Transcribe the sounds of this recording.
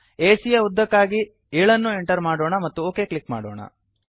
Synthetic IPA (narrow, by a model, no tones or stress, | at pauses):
eːsijɐud̪ːɐkːaːɡi | eːɭɐnːue̞ɳʈɐɾmaːɽoːɳɐmɐt̪ːuoːke̞ːkɭikma̰ːɽo̰ːɳɐ̰